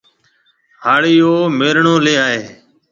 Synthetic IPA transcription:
ɦaːɭiːoːmeːɾɳoːleːaːɦeː

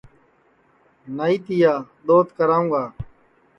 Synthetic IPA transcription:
naːiːt̪ijaːd̪oːt̪kəɾaːũːɡaː

